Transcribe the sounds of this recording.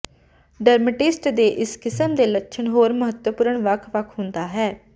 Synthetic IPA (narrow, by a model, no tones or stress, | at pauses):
ɖəɾməʈɪsʈd̪eːʔɪskɪsəmd̪eːlətːʃʰəɳɦoːɾməɦət̪wəpʊːɾəɳʋəkʰʋəkʰɦʊ̃nd̪aːɦɛː